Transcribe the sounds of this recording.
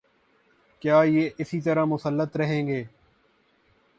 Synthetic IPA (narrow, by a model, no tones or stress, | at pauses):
kjaːjeːʔɪsit̪əɾamʊsəlːət̪ɾɐɦẽːŋɡeː